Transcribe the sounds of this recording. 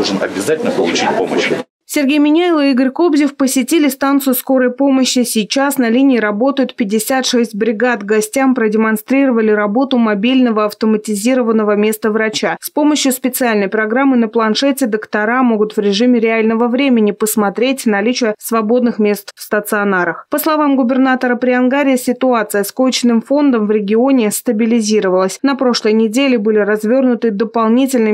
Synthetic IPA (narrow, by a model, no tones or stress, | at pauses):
lˠʐɨnɐ̰bʲɪzatʲɪlʲnəpəlˠʊt͡ɕit̚ʲpo̰mə̰ɕɪ | sʲɪrɡʲejmʲɪnʲaɪlˠɨiɡəɾʲko̞bzʲɪfpəsʲɪtʲilʲɪst̪ant̪sɨjʊsko̞ɾəjpo̞məɕːɪsʲijt͡ɕasnɐlʲinʲɪːɾɐbo̞t̪əjʊt̪pʲɪdʲːɪsʲat̪ʂɛsʲtʲbɾʲɪɡat̪ɡɐsʲtʲampɾədʲɪmɐnst̪ɾʲiɾəvəlʲɪɾɐbo̞t̪ʊmɐbʲilʲnəvəɐft̪əmətʲɪzʲiɾəvənːəvəmʲe̞st̪əvɾɐt͡ɕaspo̞məɕjʊspʲɪt̪sɨalʲnəjpɾɐɡɾamːɨnəplˠɐnʂɛtʲɪd̪əkt̪ɐɾamo̞ɡʊt̪vɾʲɪʐɨmʲɪɾʲɪalʲnəvəvɾʲemʲɪnʲɪpəsmɐt̪ɾʲetʲnɐlʲit͡ɕɪjəsvɐbo̞d̪nɨxmʲe̞st̪fst̪ət̪sɨɐnaɾəxpəslˠɐvamɡʊbʲɪrnat̪əɾəpɾʲɪɐnɡaɾʲɪjəsʲɪt̪ʊat̪sɨjəskot͡ɕɪnɨmfo̞nd̪əmvɾʲɪɡʲɪo̞nʲɪst̪əbʲɪlʲɪzʲiɾəvəlˠəsʲnɐpɾo̞ʂlˠəjnʲɪdʲelʲɪbɨlʲɪɾɐzvʲo̞rnʊt̪ɨd̪əpɐlˠnʲitʲɪlʲnɨ